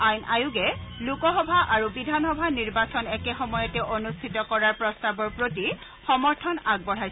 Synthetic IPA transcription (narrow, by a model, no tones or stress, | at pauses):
ajnʔajʊɡɛ | lukɔxɔbʱaʔaɹubidʱanxɔbʱaniɹbasɔnɛkɛxɔmɔjɔtɛʔonustʰitɔkɔɹaɹpɹɔstabɔɹpɹoti | xɔmɔɹtʰɔnaɡ̚bɔɹ̤ajs